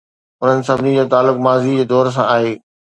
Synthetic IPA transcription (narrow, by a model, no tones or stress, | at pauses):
ʊn̤ənɪ̆sɐbʱnid͡ʑoːt̪aːlːʊkmaːzid͡ʑeːd̪ɔːɾs̬ã̰aːɦeː